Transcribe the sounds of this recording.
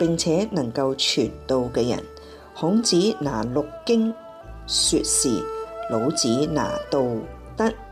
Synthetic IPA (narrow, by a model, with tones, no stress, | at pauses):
pɪ˨ŋt͡sʰɛː˨˥nɐ˨˩ŋkɐ˧wt͡ʃʰyː˨˩nt̪o˨wkɛː˧jɐ̰˨˩n | hʊ˨˥ŋt͡siː˨˥naː˨˩lʊ˨kːɪ˥ŋ | syː˧t̚siː˨lo˨˧˥wt͡siː˨˥na̰ː˨˩t̪o˨˧w | t̪ɐ˥k̚